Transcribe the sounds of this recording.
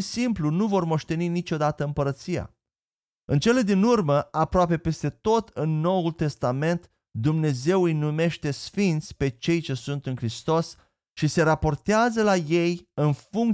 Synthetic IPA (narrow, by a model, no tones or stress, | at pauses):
isimplunuvo̞rmo̞ʃt̪e̞ninit͡ʃo̞d̪at̪əɨmpəɾət̪sija̰ | ɨnt͡ʃe̞le̞d̪inurməapɾoape̞pe̞st̪e̞t̪o̞t̪ɨnːo̞wult̪e̞st̪ame̞nt̪ | d̪umne̞ze̞wɨjnume̞ʃt̪e̞sfint̪sʲpe̞t͡ʃe̞jt͡ʃe̞sunt̪ɨnkɾist̪o̞s | ʃise̞ɾapo̞rt̪eazəlaje̞jɨnfuŋk